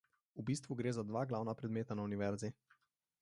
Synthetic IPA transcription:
ubiːst̪ʋuɡɾeːzad̪ʋaːɡlaːwnapɾɛd̪meːt̪anauniʋɛɾzi

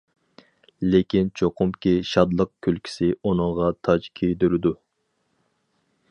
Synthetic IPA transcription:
lekʲint͡ʃʰoqʊmkʲiʃɑd̪lˠəq̚kʲʰylkʲʰi̥sɪonɨŋʁɑt̪ʰɑd͡ʒkʲʰejd̪yɾɪd̪u

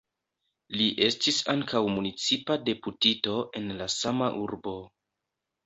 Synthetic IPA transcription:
liʔe̞stisaŋkawmunit͡sipade̞putito̞ʔe̞nlasamaʔuɾbo̞

